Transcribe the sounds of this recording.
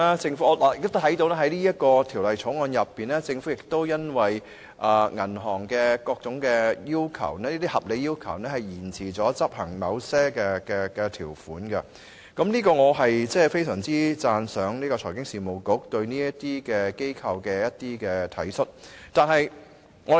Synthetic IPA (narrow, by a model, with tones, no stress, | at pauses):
t͡sɪ˧ŋfu˨˥ɔː˨˧lːjɪ˨kt̪t̪t̪ʰɐ˨˥jt̪o˧wlɛː˥ɦɐ˨˥jniː˥jɐ˥t̚kɔː˧t̪ʰiː˨˩wlɐ˨jt͡ʃʰɔ˨˥ŋɔː˨˧njɐ˨pːiː˨nɛː˥t͡sɪ˧ŋfu˨˥jɪ˨k̚t̪o˥wjɐ˥nwɐ˨j | ʔɐː˨ŋɐ˨˩nɦɔː˨˩ŋkɛː˧kɔː˧k̚t͡sʊ˨˥ŋkɛ˧jiː˥wkʰɐ̰˨˩wnɛ˥niː˥t̪i˥hɐ˨p̚le˨˧jiː˥wkʰɐ˨˩wnɛː˥hɐ˨jjiː˨˩nt͡sʰiː˨˩t͡sɔː˨˥t͡sɐ˥p̚hɐ˨˩ŋmɐ˨˧wsɛː˥kɛ˧kɛ˧kɛː˧t̪ʰiː˨˩wfuː˨˥nkɐ˧ | kɐ˨˥mniː˥kɔː˧ŋɔː˨˧ɦɐ˨jt͡sɛː˥fe˥jsœː˨˩ŋt͡siː˥t͡saː˧nsœː˨˧ŋniː˥kɔː˧t͡sʰɔː˨˩jkɪ˥ŋsiː˨˩mo˨˧wkʊ˨˧˥k̚t̪ɵ˧ɥniː˥jɐ˥t̪iː˥kɛː˧ke˥jkʰɐ˧wkɛː˧jɐ˥t̚t̪iː˥kɛː˧t̪ʰɐ̰˨˥jsɵ˥t̚t̪aː˨nɦɐ˨j | ŋɔ˨˧